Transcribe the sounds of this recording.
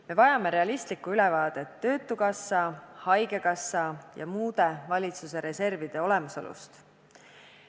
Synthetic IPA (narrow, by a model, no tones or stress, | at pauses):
me̞vɑjɑme̞ɾe̞ɑlist̪likuylɛvɑːd̪̥e̞t̪ːø̞ːt̪ːˑukɑsːɑhɑjɡe̞kɑsːɑjɑ̰muːd̪̥e̞vɑlʲit̪suse̞ɾe̞se̞rvid̪̥e̞o̞le̞muso̰lṵst̪